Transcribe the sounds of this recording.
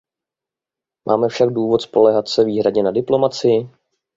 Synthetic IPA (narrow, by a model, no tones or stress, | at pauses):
mʔa̰ːmɛfʃaɡ̚duːvo̞t̪spo̞lɛɦat̪sɛviːɦɾadɲɛnadɪplo̞mat͡sɪjɪ